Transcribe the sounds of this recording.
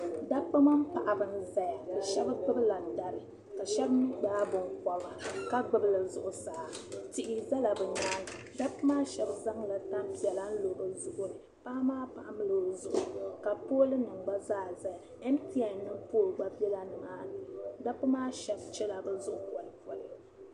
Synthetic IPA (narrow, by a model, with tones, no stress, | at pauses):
da˦pːɨ˦ma˦m˦pa˨ʔa˨bɨ˨n˦za˨ja˨ba˨ʃɛ˦bɨ˦k͡pɨ˦bɨ˦la˨n̩˦˨da˨ɾɨ˨ | ka˨ʃɛ˦bm˦ɡ͡baː˦bʊ˨ŋkɔ˦ba˨ka˦ɡ͡bɨ˨bɨ˦lɨ˨zʊ̰˨ʔʊ˨saː˨tɪ˦ʔɪ˦za˦la˨bɛ˨ɲaː˦nɨ˨ | da˦pːɨ˦maː˦ʃɛ˨bza˦ŋla˨ta˦m˦pi˨ɛ˨la˦n̩˦lo˨ɾɨ˨zʊ˦ʔʊ˦nɨ˨ | pa˦maː˦pa˨ʔa˦mɨ˦lɨ˨zʊ˨ʔʊ˨ka˨poː˦lɨ˦nɨ˨ŋɡ͡ba˦zaː˦˨za˨ja˨ | ɛ˦m˦pi˦a˨˦nɨ˦mpoː˦˨lɡ͡ba˦bɛ˦la˨nɨ˨maː˦nɨ˨da˦pɨ˦maː˦ʃɛ˦bt͡ʃɛ˦la˨bɛ˦zʊ˦ʔʊ˨pɔ˨lpɔ˨lɨ˨